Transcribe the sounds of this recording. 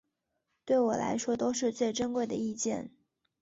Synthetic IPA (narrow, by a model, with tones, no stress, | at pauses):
t̪we˥˩ɪwɔ˨˩la̰˧˥ɪʂwɔ˥t̪o˥ʊʂɻ̩˥˧t͡swe˥˩ɪʈ͡ʂə˥nkwe˥˩ɪd̪ə˩i˥˧t͡ɕjɛ̰˥˩n